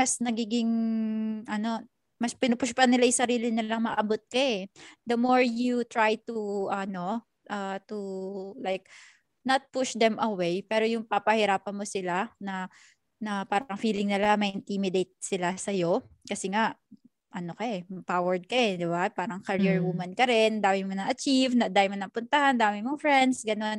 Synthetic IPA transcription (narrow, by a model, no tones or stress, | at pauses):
mɐsnɐɡiːɡɪŋ | ʔɐno̞ | mɐspɪnʊpʊʃpɐnɪlajsɐɾiːlɪnɪlaŋmɐʔɐbot̪̚kɐɛd̪ɐmoɹjut̪ɹajt̪uʔɐno̞ | ʔɐt̪ulajk̚ | nɐt̪̚pʊʃd̪ɛmʔɐwejpɛːɾo̞jʊŋpapɐhɪɾaːpɐnmosɪlanɐ | nɐpaːɾɐŋfiːlɪŋnɪlamɐʔɪnt̪imɪd̪ejt̪̚sɪlasɐjo̞kɐsɛŋaʔ | ʔɐnokɐʔɛmɐpawɛɹd̪̚kɐɛd̪ɪbapaːɾɐŋkɐɾiɹwumɐnkɐɾɛnd̪aːmɪmonɐŋʔɐt͡ʃivnɐd̪ajmonɐŋpʊnt̪ɐhand̪aːmɪmoŋfɹɛnd̪sɡɐno̞n